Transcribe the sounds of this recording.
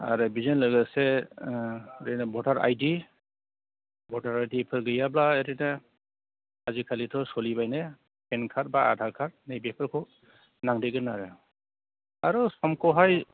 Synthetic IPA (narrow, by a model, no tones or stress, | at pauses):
a̰ɾɯbizɔnlɯɡɯse | ɾɯnabɔdaɾa̰jdi | bɔdaɾajdipʰɯɾɡɯjablaeɾɯna | azikʰalitʰɔsɔlibajne | pʰenkʰaɾ̚baa̰dʱaɾkʰaɾ̚nejbepʰɯɾkʰɔ | naŋdeɡɯnːaɾɯ | aɾɔsɔmkɔɦaj